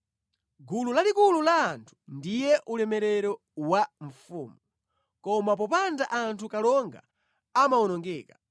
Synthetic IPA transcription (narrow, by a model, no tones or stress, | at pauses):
ɡululalikululaːntʰu̥ndijɛʔulɛmɛɾɛɾɔ | waɱfṵːmu | kɔmap̬ɔpandaʔantʰukalɔŋɡa̰ | amaɔnɔŋɡɛːkḁ